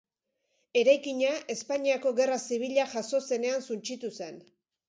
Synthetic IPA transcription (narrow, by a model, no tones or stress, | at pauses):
e̞ɾajkiɲaʔe̞spaɲiako̞ɣe̞rasiβ̞iʎaʝaso̞se̞ne̞ansunt͡ʃit̪use̞n